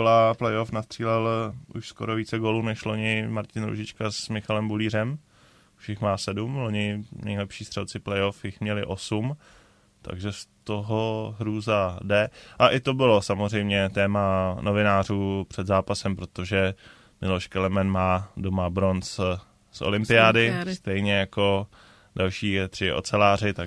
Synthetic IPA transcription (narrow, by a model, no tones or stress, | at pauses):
olaplɛjofnast̪r̥iːlɛlʔṵʃsko̰ɾoviːt͡sɛɡoːluːnɛʃlo̞ɲɪmaɾcɪnɾṵʒɪt͡ʃkasmɪxalɛmbuliːr̝ɛm | uʃɪxmaːsɛdumlo̞ɲɪnɛjlɛpʃiːst̪r̥ɛlt͡sɪplɛjofjɪxmɲɛlɪʔo̞sum | t̪a̰ɡʒɛst̪o̞ɦoɦɾuːzadɛʔaʔɪt̪o̞bɪlo̞samor̝ɛjmɲɛt̪ɛːmanovɪnaːr̝uːpr̥ɛd̪zaːpasɛmpɾo̞t̪oʒɛ | mɪloʃkɛlɛmɛnmaːdomabɾo̞ns | sʔo̰lɪmpɪaːdɪsst̪ɛjɲɛjako̞ | dalʃiːɛt̪r̥ɪʔo̰t͡sɛlaːrɪt̪a